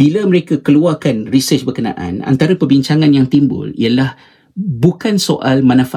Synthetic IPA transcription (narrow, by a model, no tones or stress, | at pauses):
b̥ilaməɾekakəluarkanrisət͡ʃbərkənã̰ʔã̰na̰nt̪aɾapərbiɲt͡ʃaŋãnjaŋt̪imbʊ̰lḭalah | bukansoʔalmãnãfa